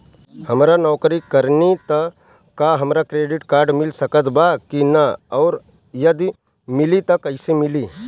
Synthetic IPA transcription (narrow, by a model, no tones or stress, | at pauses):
hɐmɾanɔːkɾikəɾnit̪ə | kːaɦɐmɾakɾeːɖɪʈkaːɾɖmɪlsɐkət̪bakinaɔːɾ | jɐd̪i | mɪlit̪ɐkɐɪsemɪliː